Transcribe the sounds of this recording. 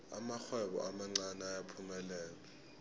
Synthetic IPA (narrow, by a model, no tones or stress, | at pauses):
a̰maxwɛɓɔ̰ʔamaŋ͡ǀanajapʰumɛlɛːla